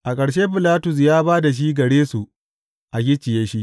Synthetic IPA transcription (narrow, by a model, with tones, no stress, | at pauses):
ʔa˨kʼɐ˨ɽʃ̬eː˦ɸɪ˨laː˦tʊ˨s̬jaː˦baː˦da˨ʃ̬iː˦ɡɐ˨ɽeː˦su˨ | ʔa˨kʲɪ˦t͡ʃːɪ˨je˦ʃi˦ʔ